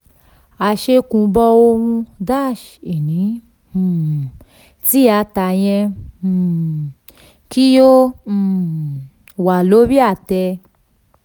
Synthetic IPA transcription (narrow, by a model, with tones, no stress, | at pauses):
a˧ʃe˧kũ˧bɔ˧wo˦u˧da˦ʃ | i˨nĩ˨˧˦ | ti˦ja˧ta˧jẽ˧˨ | ki˦jo˦˧˨ | wa˨lo˦bi˦a˧˨tɛ˧